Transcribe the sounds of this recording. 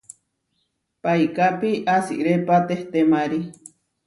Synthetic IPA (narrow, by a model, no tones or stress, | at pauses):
paikapiʔasḭʔɾepat̪eht̪emaɾi